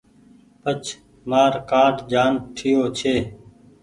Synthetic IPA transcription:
pət͡ʃʰ | maːɾkaːʈd͡ʒaːnʈʰɪjoːt͡ʃʰeː

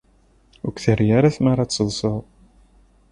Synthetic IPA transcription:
ukθəɾjaɾaθmaɾat͡sːəðˤsˤəðˤ

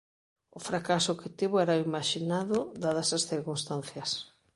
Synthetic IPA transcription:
ʊfɾakasʊkɪt̪iβoɛɾaimaʃinaðʊd̪aðɐsasθiɾkunst̪anθjɐs

